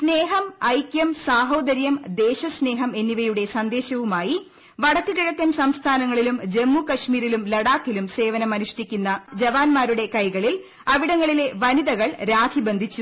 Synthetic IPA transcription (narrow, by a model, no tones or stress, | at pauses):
sne̞ːɦɐmɐjkʲjɐmsaːɦo̞ːd̪ɐɾjɐmd̪e̞ːɕɐsne̞ːɦɐme̞nːiʋɐjuɽe̞sɐnd̪e̞ːɕɐʋumaːji | ʋɐɽɐkːɨɣiɻɐkːɐnsɐmst̪ʰaːnɐŋːɐɭilumd͡ʑe̞mːukɐʂmiːɾilumlɐɽaːkːilumse̞ːʋɐnɐmɐnuʂʈikʲːunːɐd͡ʑɐʋaːnmaːɾuɽe̞kɐjɣɐɭil | ɐʋiɽɐŋːɐɭile̞ʋɐniðɐɣɐɭɾaːkʰibe̞nd̪ʱit͡ɕːu